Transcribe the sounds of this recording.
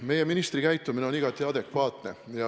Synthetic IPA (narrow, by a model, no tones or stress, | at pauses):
me̞je̞minist̪rikæjt̪ˑːumineo̞niɡɑt̪ːˑiɑd̪e̞kvɑːt̪ne̞jɑ